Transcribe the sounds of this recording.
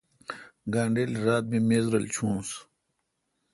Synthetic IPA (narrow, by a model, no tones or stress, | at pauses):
ɡaːɳɖeːlɾaːt̪̚mimeːzɾɐlt͡ɕʰũːs